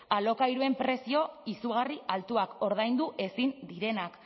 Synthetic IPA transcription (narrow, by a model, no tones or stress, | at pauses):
alo̞kajɾue̞mpɾe̞sio̞isuɣ̞ariʔalt̪uako̞ɾð̞ajnd̪uʔe̞sind̪iɾe̞nak